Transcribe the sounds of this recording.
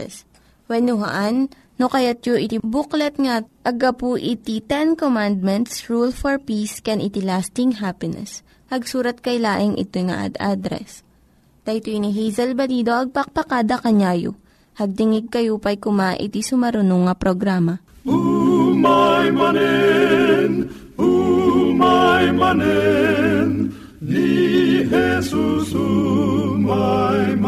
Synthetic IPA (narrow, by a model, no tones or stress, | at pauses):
s | wɛnʊɦɐ̰ʔanː | okɐjat̪̚joʔɪt̪ibuklɛt̪̚ŋaʔɐɡɐpuʔit̪it̪ɛnkomand̪̚mɛnt̪sɹulfɔɹpiskɛnʔɪt̪ilast̪ɪŋɦapɪnɛ̰s | hɐɡsuːɾɐt̪̚kɐjlaːʔɪŋʔɪ̰t̪ojŋa̰ʔa̰d̪ʔa̰d̪ɾɛ̰s | t̪ɐjt̪oiniɦijzɐlbɐlid̪o̞ʔɐɡ̚pɐk̚pɐkaːd̪ɐkɐɲaːjo̰ | hɐɡ̚d̪ɪŋɪɡ̚kɐjupɐjkʊmaʔɪ̰t̪isʊmɐɾʊnuŋɐpɾoɡɾaːmɐ | umajmɐnɛ | n | umajmɐnɛ | n | nihɛsusu | maj